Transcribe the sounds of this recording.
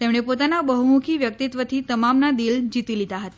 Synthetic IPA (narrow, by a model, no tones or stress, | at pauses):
t̪emɽ̃epot̪anabəɦumukʰiʋjək̚t̪it̪ʋət̪ʰit̪əmamnad̪ild͡ʑit̪ilit̪aɦət̪ḁ